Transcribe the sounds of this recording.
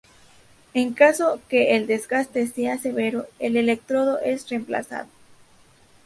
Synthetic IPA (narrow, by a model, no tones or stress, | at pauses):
e̞ŋkaso̞ke̞ːld̪e̞zɡast̪e̞sease̞βe̞ɾoele̞le̞k̚t̪ɾo̞ðo̞ʔe̞srempla̰sa̰ðo